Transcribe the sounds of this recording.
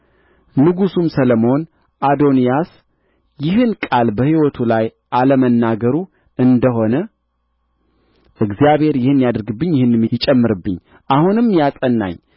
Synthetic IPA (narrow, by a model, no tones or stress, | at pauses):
nɨɡusumsələmo̞n | ʔad̪o̞nijas | jɪɦɨnkʼalbəhiwɔt̪ʰulaj | ʔaləmənːaɡəɾu | ɨnd̪əɦo̞nə | ʔɨɡzijaβhe̞ɾjɪhɨnːijad̪əɾɡɨbːɨɲːjɪhɨnːmːijɪt͡ʃʼɛmːɨɾɨbːɨɲː | ʔahunɨmːjasʼənːa̰ɲː